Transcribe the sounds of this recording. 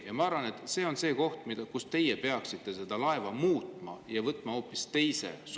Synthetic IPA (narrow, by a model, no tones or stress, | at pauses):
jɑmɑɑɾvɑne̞t̪ːse̞ːo̞nse̞ːko̞ht̪mid̪̥ɑkust̪e̞jepe̞ɑksit̪ˑːe̞se̞d̪̥ɑlɑe̞vɑmuːt̪ˑmɑ̰jɑvɤt̪ːˑmɑo̞ːpːˑist̪e̞jse̞̰s